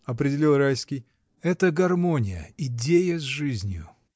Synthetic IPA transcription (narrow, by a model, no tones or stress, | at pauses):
ɐpɾʲɪdʲɪlʲilˠrajskʲɪj | ɛt̪əɡɐrmonʲɪ̰jə̰ɪdʲejəzʲʐɨzʲnʲjʊ̰